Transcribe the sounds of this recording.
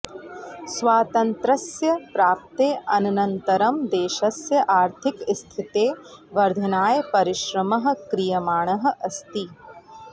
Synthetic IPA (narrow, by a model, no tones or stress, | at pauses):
sʋaːt̪ɐnt̪ɾɐsjɐpɾaːp̚t̪eːʔɐnɐnɐnt̪ɐɾɐmd̪eːʃɐsjɐʔaːɾt̪ʰɪkst̪ʰit̪eːʋɐɾd̪ʱɐnaːjɐpɐɾɪʃɾɐmɐɦə̆kɾijɐmaːɳ̃ɐɦɐ̆ʔɐst̪i